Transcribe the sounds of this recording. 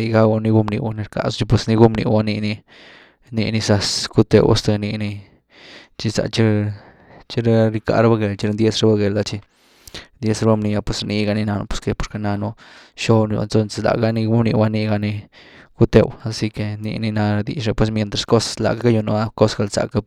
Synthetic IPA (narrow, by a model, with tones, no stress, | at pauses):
i˧ɡa˦wa˧ni˧ɡu˦mnḭ˧wa˦ni˧ɾka̰˨st͡ʃi˧p̬we˧sni˧ɡu˦mnḭ˧wa˦ni˧ni˧ | nḭ˧ni˧sa˧sku˧˦t̪ḛ˧wa̰˦st̪a˧ni˧ni˧ | t͡ʃi˧sa̰˨t͡ʃi˦ɾ | t͡ʃi˦ɾɾi˧ka̰˧ɾa˦ba˦ɡe˨lt͡ʃi˧ɾnd̪je˦sɾe˦ba˦ɡe˨la˧t͡ʃi˧ | nd̪je˧˦sɾe˧ba˦mni˧a˧pwe˧sɾni˧ɡa˧ni˧na˧no̰˧˦pwe̥˧˦ske˧po˨ɾke˧na˧nu˧ʃo˦n˧jṵ˧nt̪o˧nse˧la̰˨ɡa˦ni˧ɡu˦mnḭ˧wa˦ni˧ɡa˧ni˧ku˦t̪e˨wa˧si˧ke˧nḭ˧ni˧na˧ɾa˧d̪ḭ˨t͡ʃɾe˧pwe˧s̬mje˧nt̪ɾa˨sko˦sḁla̰˨ka˦ka˦ju˧no˧a˦ko˦sɡa˧lsa̰˨ka˦